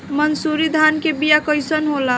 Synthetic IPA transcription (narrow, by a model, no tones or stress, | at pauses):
mənsuɾid̪ʱaːnkebijakəjsənɦola